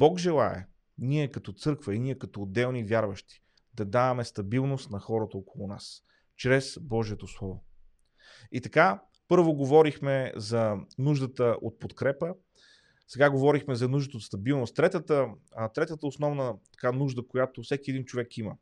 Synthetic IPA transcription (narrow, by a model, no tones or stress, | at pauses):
bɔkʒɛlˠaɛ̰ | niɛkɐt̪ɔt̪sɤɾkvəiniɛkɐt̪ɔːd̪ɛlˠnivʲjaɾvəʃt̪i̥ | d̪ɐd̪avɐmɛst̪ɐbilˠnost̪nɐxɔɾət̪əokolˠʊnas | t͡ʃɾɛsbɔʒiɛt̪oslˠɔvo | it̪ɐka | pɤɾvoɡovɔɾixmɛzɐnuʒd̪ət̪əʔo̰t̪̚pot̪kɾɛpə | sɛɡaɡovɔɾixmɛzɐnuʒd̪ət̪əot̪st̪ɐbilˠnʊst̪t̪ːɾɛt̪ət̪ət̪ɾɛt̪ət̪əosnɔvnət̪ɐ̥kanuʒd̪əkojat̪ofsɛkʲiɛd̪int͡ʃovɛkimə